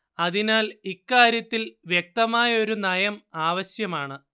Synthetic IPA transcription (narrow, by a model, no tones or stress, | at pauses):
ɐðinaːlikːaːɾjɐt̪ːilʋjek̚t̪ɐmaːjɐo̞ɾunɐjɐmaːʋɐɕjɐmaːɳɨ